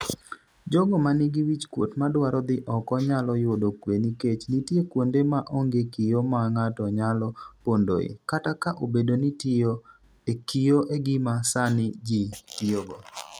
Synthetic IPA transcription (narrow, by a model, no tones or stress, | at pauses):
d͡ʒɔɡɔmanɪɡiwit͡ʃkwotmadwaɾɔd̪ɪʔɔkɔɲalɔjodokweniket͡ʃnitjekwondemaʔoŋɡekijomaŋatɔɲalɔpondo̰ɪ̰katakaʔobedonitɪo | ekijoʔeɡimasanɪd͡ʒikijoɡɔ